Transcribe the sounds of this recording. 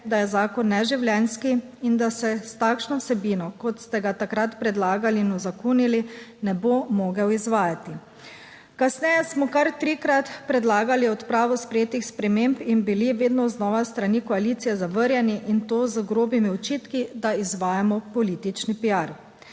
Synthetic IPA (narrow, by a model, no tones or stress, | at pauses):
d̪ajɛzaːkɔnːɛʒiwljɛnskiind̪asɛst̪aːkʃnɔwsɛbiːnɔkɔt̪st̪ɛɡat̪akɾat̪pɾɛd̪laːɡaliinɔzakunilinɛbomoːɡɛwizʋaːjat̪i | kasnɛjɛsmɔkaɾt̪ɾikɾat̪pɾɛd̪laːɡaliɔt̪pɾaːʋɔspɾɛjeːt̪ixspɾɛmeːmpinbiliʋeːd̪nɔznɔːʋast̪ɾanikɔalit̪sijɛzaʋəɾjɛniʔint̪oːzəɡɾoːbimiɔt͡ʃiːt̪kid̪aizʋaːjamɔpɔliːt̪it͡ʃnipijaɾ